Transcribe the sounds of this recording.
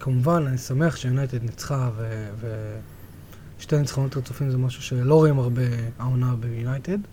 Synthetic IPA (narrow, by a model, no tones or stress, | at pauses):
kʰamuvananisame̞aχʃejunajtednit͡sχaveve | ʃte̞jmit͡sχonotaʁt͡su̥fimzemaʃuʃe̞lo̞ʁoimaʁbe̞aonabejunajted